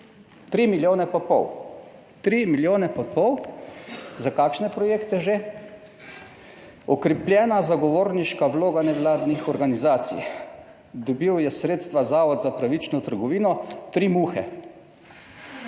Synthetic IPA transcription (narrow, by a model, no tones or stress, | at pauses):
t̪ɾiːmiljoːnɛpɔpɔw | t̪ɾimiljoːnɛpɔpɔw | zakaːkʃnɛpɾɔjeːkt̪ɛʒe | ɔkɾɛpljɛːnazaɡɔʋoːɾniʃkaʋloːɡanɛʋlaːd̪nixɔɾɡanizaːt̪sḭj | d̪ɔbiwjɛsɾeːt̪st̪ʋazaːʋɔd̪zapɾaʋit͡ʃnɔt̪əɾɡɔʋiːnɔt̪ɾimuxɛ̰